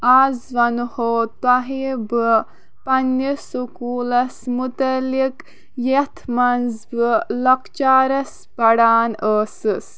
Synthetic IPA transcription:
aːzʋɐnhoːt̪aɦebɨ | pɐnːɐsukuːlɐsmut̪ɐlik | jet̪ʰmɐnzbɨlɐkt͡ʃaːɾɐs | bɐɽaːnəːsɨs

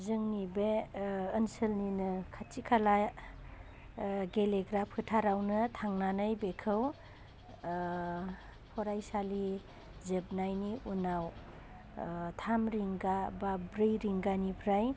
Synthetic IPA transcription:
zɯŋnibeː | nsɯlninɯkʰatikʰala | ɡeleɡɾapʰɯtʰaɾawnɯtʰaŋnanɯjbekʰɯw | pʰɔɾajsali | zɯb̚najniunaw | tʰamɾiŋɡababɾɯjɾiŋɡanipʰɾaj

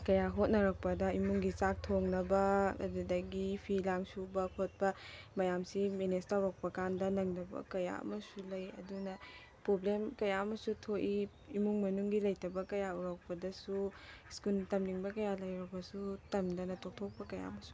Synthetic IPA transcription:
kɐjaɦot̚nɐɾɐk̚pɐdɐimuŋɡisak̚tʰoŋnɐbɐ̰dudɐɡipʰilaŋsubɐkʰot̚pɐmɐjamsimenestawɾak̚pɐkandɐnɐŋdɐbɐ̰kɐja̰ɐ̰mɐsulɐjɐ̰dunɐ | pɾoblemkɐjaɐmɐsutʰoʔi | imuŋmɐnuŋɡilɐjtɐbɐkɐjauɾak̚pɐdɐsuskultɐmniŋbɐkɐjalɐjɾɐbɐsutɐmdɐnɐtʰok̚tʰok̚pɐkɐja̰ɐmɐsu̥

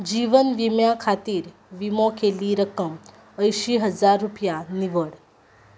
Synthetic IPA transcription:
d͡ʒiːʋənʋimjakʰat̪iːɾ | ʋimokʰeliɾəkəm | əjʃiɦəd͡zaɾːupjaniʋəɽ

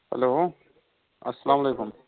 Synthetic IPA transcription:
hɛ̰loː | ɐsːɐlaːmɐlejkum

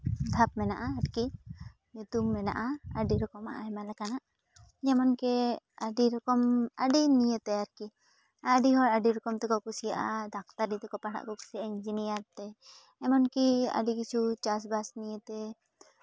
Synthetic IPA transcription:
d̪ʱap̚mɛnaʔaːɾki | ɲut̪umːɛna̰ʔaaɖiɾɔkɔmaʔaɛmalɛkanaʔ | d͡ʒɛmɔnkɛaɖiɾɔkɔmaɖinijət̪ɛaɾki | aɖiɦɔɾaɖiɾɔkɔmt̪ɛkɔkusijaʔad̪ak̚t̪aɾit̪ɛkɔpaɽa̰ʔkɔku̥siaiɲd͡ʒinijaɾt̪ɛː | mɔnkia̰ɖikit͡ʃʰut͡ʃas̬basnijət̪ɛ

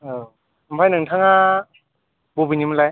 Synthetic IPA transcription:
ɯ | mpʰajnɯŋtʰaŋa | bobɯnimlaj

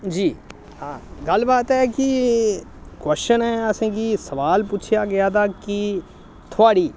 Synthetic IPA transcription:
d͡ʒiː | hãːɡəlbaːt̪ɦɛːkɪ | kwɛst͡ʃənɦɛːəsẽːkisəʋaːlput͡ʃʰjaːɡɪjaːt̪aːki | t̪ʰʊaːɽiː

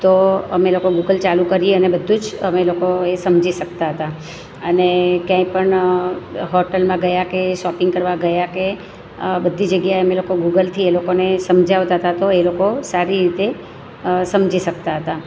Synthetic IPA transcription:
t̪oəmelokoɡuɡəlt͡ʃalukəɾieənebəd̪ʱːũd͡ʒəmelokoesəmd͡ʒiʃək̚t̪aɦət̪a | ənekjãĩpəɳ | ɦɔʈəlmãɡəjakeʃɔpɪ̃ŋɡkəɾʋaɡəjake | bəd̪ʱːid͡ʒəɡjaeəmelokoɡuɡəlt̪ʰielokonesəmd͡ʒaʋt̪aɦət̪at̪oelokosaɾiɾit̪e | səmd͡ʒiʃək̚t̪aɦət̪a

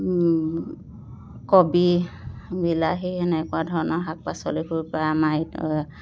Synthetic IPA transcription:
kɔbi | bilaɦiɛnɛkʊadʱɔɹɔnɔɦak̚pasɔlikuɹpaamajt

